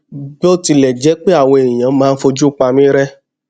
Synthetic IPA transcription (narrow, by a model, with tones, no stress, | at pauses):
bti˧lɛ˨d͡ʒɛ˨˦k͡pe˦a˦˨wɔ̃˧e˨ĩ˨j̃ã˨˦mãː˨˦˧n̩˦fo˧d͡ʒu˦k͡pa˧mĩ˦ɾɛ˦